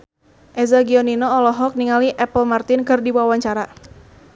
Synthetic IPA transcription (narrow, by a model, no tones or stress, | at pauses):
ʔɛzaɡiɔninɔːlɔɦɔk̚niŋaliʔɛpəlmart̪ɪnkɨrdibaawaɲt͡ʃaɾa